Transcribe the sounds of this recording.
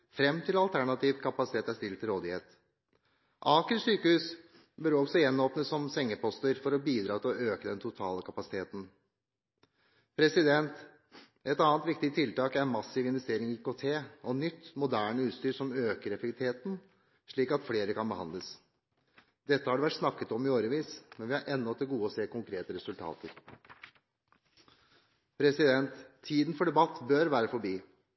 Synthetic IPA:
fɾɛmːt̪ʰɪlɑlt̪ʰæɳɑt̪iːʋkʰɑpɑsɪ̥t̪eːt̪æst̪ɪlt̪ʰːɪlɾoːd̪ɪheːt̪ | ʔɑːkəlsyːkəhʉːs | bœɾɔɡsɔjɛnːoːpnət̪sɔmsɛŋːəpɔst̪əɾfɔɾɔbiːd̪ɾɑːt̪ʰɪlɔøːkəd̪ɛnt̪ʰʊt̪ʰɑːləkʰɑpɑsɪ̥t̪ʰeːt̪n̩ | pʰɾɛsɪd̪ɛnt̪ | ɛt̪ɑːnt̪ʋɪkt̪ɪt̪ʰɪlt̪ɑːkæɾmɑsɪʋɪnʋɛst̪eːɾɪŋɪkot̪ʰeːɔnʏt̪ːmʊd̪æːɳəʉːt̪st̪yːɾsɔmøːkəɾɛfɛkt̪ʰeːt̪n̩ | ʂɭiːkɑt̪fleːɾəkɑnbəhɑ̰nd̪ləs | d̪̥ɛt̪ːəhɑɖɛʋæʈsnɑkːət̪ɔmɪoːɾəʋiːsmɛnʋɪhɑɾʔɛnːɔɔt̪ʰːɪɡuːəɔseːkʊŋkʰɾeːt̪əɾɛsʉlt̪ʰɑ̰ːt̪əɾ | pʰɾɛsɪd̪ɛnt̪ʰːiːd̪n̩fɔɖɛbɑt̪ːbœɾʋæːɾəfɔɾbiː

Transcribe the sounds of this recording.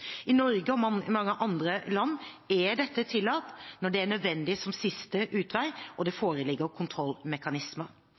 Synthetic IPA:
ɪnɔɾɡəɔmɑŋːəʔɑnd̪ɾəlɑnːɛɖɛt̪ːət̪ʰɪlːɑːt̪nɔɖɛæɳœd̪ʋɛnd̪ɪsɔmsɪst̪əʔʉːt̪ʰʋæɪʔɔd̪ɛfoːɾəlɪɡːəɾkʰʊnt̪ʰɾɔlːmɛkɑnɪsməɾ

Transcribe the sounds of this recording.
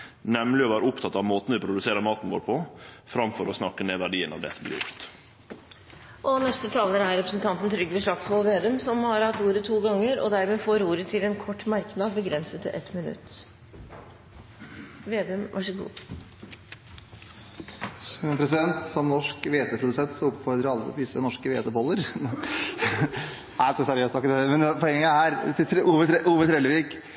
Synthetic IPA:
nɛmlɪɔʋæːɾʊpt̪ʰɑt̪ɑʋmoːt̪n̩ʋɪːpʰɾʊd̪ʉseːɾəmɑːt̪n̩ʋoːɾpʰɔ | fɾɑmfɔɾɔsnɑkːəneːʋæɖiːənɑ̰ʋd̪ɛ̰ːsɔmblɪ̰ɾjʊ̰ɾt̪ | ʔɔnɛst̪ət̪ʰɑːlɡəɾæɾɛpɾəsn̩t̪ʰɑnt̪n̩t̪ʰɾʏɡːʋɛʂɭɑkshɔlʋeːd̪ʉːmsɔmhɑɾhɑt̪ːuːɾət̪ʰuːɡɑŋːəɾɔ̰d̪æɾmeːfoːɾuːɾət̪ʰɪlɛnkʰɔʈːmɑɾknɑːd̪̚bəɡɾɛnsət̪ʔɛt̪mɪnʉ̰t̪ː | ʋeːd̪ɛmʋʔɑʂəɡṵː | pʰɾɛsɪd̪ɛnt̪sɔmnɔʂkʋeːt̪əpʰɾʊd̪ʉsɛnt̪sɔʊpfɔɾd̪ɾəɾɑlːəd̪ɪsənɔʂkəʋḛːt̪əbɔlːəɾ | æskɔsæɾɪøːst̪ɑkːəd̪ɛmɛnpʰɔɛŋːəæhæːɾt̪ʰɪuːʋəʔuːʋət̪ʰɾɛləʋiːk

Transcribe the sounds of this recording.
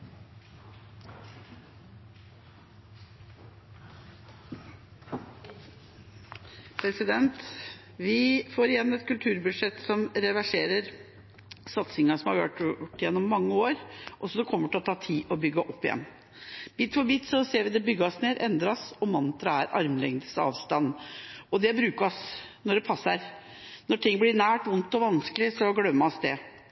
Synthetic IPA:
pʰɾɛsɪd̪ɛnt̪ | ʋɪfoːɾɪjɛnːɛt̪kʰʉlt̪ʰʉːɾbʉd̪ʂɛt̪sɔmɾɛʋæʂeːɾəɾ | sɑt̪sɪŋɑsɔmhɑɾʋø̰ːʈʈːɪjɛnːɔmːɑŋːəoːɾʔɔsɔd̪ɛkʰɔmːəʈʰɪlɔt̪ʰɑːt̪ʰiːʔɔbʏɡːəʔɔpːɪjɛ̰nː | b̥iːt̪fɔbiːt̪sɔseːʋɪd̪ɛbʏɡːəɔsneːɾʔɛnd̪ɾɑɔsɔmɑnt̪ɾɑæɾʔɑɾmlɛŋd̪əsɑ̰ːʋst̪ɑnːɔd̪ɛbɾʉːkəɔsnɔɖɛpʰɑsːəɾ | nɔʈʰɪŋːblɪɾnæːʈʋʊnt̪ɔʋɑnsklɪsɔɡlœmːəɔsd̪ɛ

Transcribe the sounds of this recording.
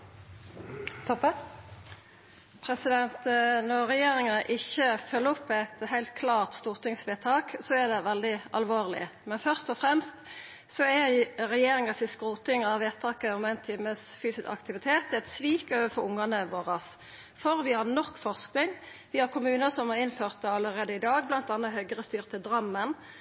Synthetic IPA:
t̪ʰɔp | pʰɾɛsɪd̪ɛnt̪nɔʁʁɛjeːɾɪŋɑʔɪçəfœlːəɔpʰːɛt̪hæɪlt̪̚kʰlɑːʁt̪st̪uːʁt̪ɪŋsʋeːt̪ʰɑːksɔæd̪ɛʋɛld̪ɪʔɑlʋoːʁlɪ̰mɛnfœʁst̪ɔfʁɛmst̪ | sɔɛɾɛjeːɾɪŋɑsɪskʁuːt̪ɪŋɑʋeːt̪ʰɑːkəɔmæɪnt̪ʰɪməsfyːsɪskɑ̰kt̪ɪʋɪt̪ʰeːt̪ɛt̪sʋiːkøːʋəfɔʊŋːɑnəʋoːʁəs | fɔɾʋɪhɑʁnɔkːfɔʁsknɪŋ | ʋɪhɑɾkʰʊmʉːnəsɔmhɑʁɪnføːʁt̪̚d̪ɛɑləɾeːd̪əɪd̪ɑːɡ̚blɑnt̪ɑnːəhœɡəʁəst̪yːʁt̪ʰɪd̪ɾɑmːən

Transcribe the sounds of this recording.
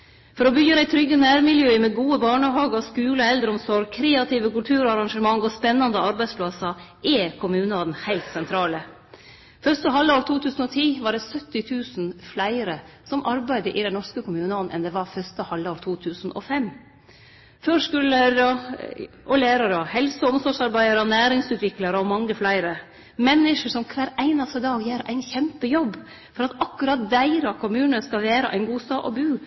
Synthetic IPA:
fɔɾɔbʏɾæɪt̪ʰɾʏɡːənæːɾmɪljøːɪmɛɡuːəbɑːɳəɦɑːɡəskʉːləɛld̪ɾəɔmsɔɾɡ̚kʰɾeːɑt̪iʋəkʉlt̪ʰʉːɾɑɾɑŋʂəmɑŋːɔspɛnːɑnd̪əɑɾbæɪd̪spʰlɑsɑʔɛkʰʊmʉːnəɔd̪nhæɪlt̪sɛnt̪ʰɾɑːlə | fœɾʂt̪əɦɑlːəoːɾt̪ʰuːt̪ʰʉːsn̩ɔt̪ʰiːʋɑɖɛsœt̪ːɪt̪ʰʉːsn̩flæɪəɾə | sɔmʔɑɾbæɪd̪əʔɪd̪ɛnnɔɾʂkəkʊmʉːnəɔnːʔɛ̰nd̪ɛʋɑɾfœst̪əhɑlːɑːɾt̪ʰuːt̪ʰʉːsnʔɔ̰fɛmː | føːʂkʉləɾɔ | ʔɔleːɾɑɾɔhɛlsəɔmsɔʂɑɾbæɪəɾəɔnæːɾɪŋsʉːt̪ʰʋɪklɑɾəɔmɑŋːəflæɪəɾə | mɛnːɪʂəʂɔmkʰʋæːɾæɪnɑst̪əd̪ɑːɡjeːɾæ̰ɪnçɛmpəjɔbː | fɔɾɑt̪ɑkːʉɾɑt̪̚d̪æɪɾɑkʰʊmʉːnəskɑʋeːɾə̰ʔæ̰ɪnɡuːst̪ɑːʔɔ̰bʉː

